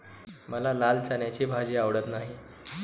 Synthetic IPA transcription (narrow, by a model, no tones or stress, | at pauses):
məlalalt͡sanjat͡ɕebʱad͡ʑeaʋɽət̪naɦi